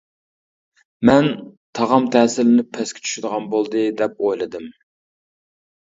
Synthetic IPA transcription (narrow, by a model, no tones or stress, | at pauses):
mɛnt̪ʰɑʁɑmt̪ʰɛːsɪlɪnɪpʰɛskʲʰɪ̥t͡ʃʰy̥ʃyd̪əʁɑnbolˠd̪ɨd̪ɛp̚ojlˠɨd̪ɨm